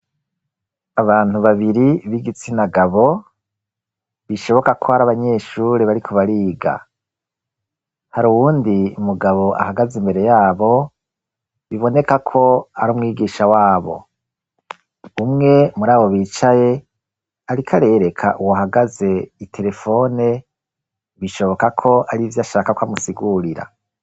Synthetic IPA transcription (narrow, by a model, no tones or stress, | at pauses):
aβaːn̥uβaβiɾiβiɡit͡sinaɡaβo̞ | βiʃo̞βo̞kakʰo̞haɾaβaɲe̞ːʃuːɾeβaɾikʰo̞βaɾiːɡa̰ | haɾuwuːndiumuɡaβo̞ʔa̰haɡazimbe̞ɾe̞jaːβo̞ | βiβo̞ne̞kakʰo̞a̰ɾuːmŋiːɡiːʃawaːβo̞̰ | umŋe̞muɾaːβo̞βiːt͡ʃaje̞ | aɾikʰaɾe̞ːɾe̞kʰa̰ʔuwahaɡaze̞itʰe̞ɾe̞fo̞ne̞ | βiʃoβo̞kakʰo̞ʔaɾivjaʃaːkakwamusiɡuɾiɾa̰